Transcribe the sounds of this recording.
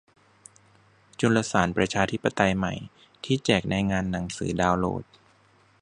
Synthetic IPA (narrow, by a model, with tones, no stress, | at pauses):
t͡ɕu˧nla˧saː˩˦npɾa˧t͡ɕʰaː˧t̪ʰi˦˥pːa˧t̪a˧jma˨˩j | t̪ʰiː˥˩t͡ɕɛː˨˩k̚na˧jŋaː˧nːa˩˦ŋsɯ̰ː˩˦daː˧wlo̰ː˥˩t̪̚